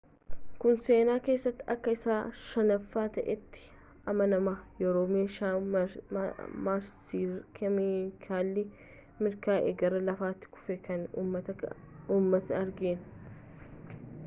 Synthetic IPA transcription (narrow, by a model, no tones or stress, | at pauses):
kʊnse̞ːnaːke̞ːsːɐt̪ːɪɐkːɐɪsaːʃɐnɐfːaːt̪ɐʔɛt̪ːɪ̥ | ʔɐmɐnɐmaːjɛɾoːmeːʃa | maːɾsikʰɛmɪkʰaːlːɪ | mɪɾkaːʔḛɡɐɾɐlɐfaːt̪ːɪ̥kʊ̥fɛkɐnɐ | uːmːɐt̪ɐɐɾɡeːn